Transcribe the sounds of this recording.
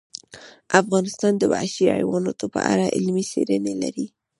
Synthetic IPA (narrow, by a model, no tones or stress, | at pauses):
afɣɑnɪst̪ɑnd̪əbaʃia̰jwɑnɑt̪opəʔa̰ɾaʔɪ̰lmisḛɾənelaɾi